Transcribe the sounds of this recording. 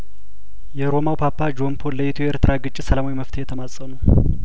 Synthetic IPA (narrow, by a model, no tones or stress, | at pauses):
jɛɾo̞mawpʰapːad͡ʒo̞mpʰonləjɪt̪ʰujɛʔɾt̪ʰɨɾaɡɨt͡ʃʼːɪsəlamawiməft̪ʰjɛt̪ʰəmasʼənə